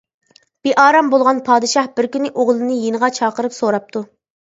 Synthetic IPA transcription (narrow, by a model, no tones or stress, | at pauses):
b̥eʔɑːɾɑmbolˠʁɑnpʰɑːd̪ɨʃɑhbɪɾkʲynɪʔoʁlˠɨnɨjenəʁɑt͡ʃʰɑːqəɾɨpsoɾɑp̚t̪ʰu